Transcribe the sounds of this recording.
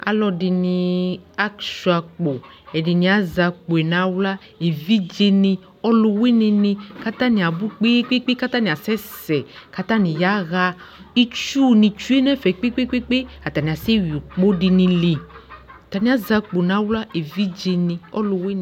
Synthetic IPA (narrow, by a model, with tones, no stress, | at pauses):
a̰˨lɔ˧di˨˧nĩ˧a˦ksu˨˦a˨k͡po˨ | ɛ˨di˨nĩ˨˦a˨za˨k͡po˨e˨nã˦wla˦ | e˨vi˦d͡ʒe˧nĩ˧ | ɔ˦lo˨we˦nĩ˧nĩ˧ka˦t̪ã˦nĩ˨a˨bu˦k͡pe˦k͡pe˦k͡pe˦ka˦t̪a˦nĩ˨a˨sɛ˦sɛ˨ka˦t̪ã˦nĩ˨ja˦ɣa˦ | i˦t͡ʃu˦˨nĩ˨t͡ʃu˦e˦nɛ̃˦fɛ˨k͡pe˦k͡pe˦k͡pe˦k͡pe˦a˨t̪a˨nĩ˨a˨se˦wi˨u˨k͡po˦di˧nĩ˧li˨a˨t̪a˨nĩ˨˦a˦za˧k͡po˨nã˦wla˦ʔe˨vi˦d͡ʒe˧nĩ˧ɔ˦lo˨we˦˨